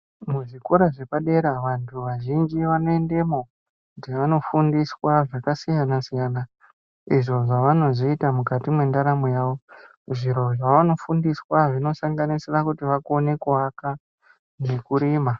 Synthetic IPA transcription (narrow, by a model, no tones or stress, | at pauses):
muʐikoɾaʐe̞paɗe̞ɾaʋantʰuʋaʒind͡ʒiʋano̞e̞nde̞mo | kutiʋano̞fundiswaʐakasijanasijana | iʐo̞ʐaʋano̞zoitamukatimwe̞ndaɾamojaːʋo̞ | ʐiɾo̞aʋano̞fundiswaʐino̞saŋɡanisirakutiʋakone̞kuʋaka | nekuɾiːma